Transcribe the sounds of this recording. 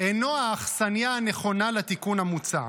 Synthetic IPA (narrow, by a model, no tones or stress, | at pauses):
enoaːχsanjaːneχo̞nalat̪ikunamut͡sa̰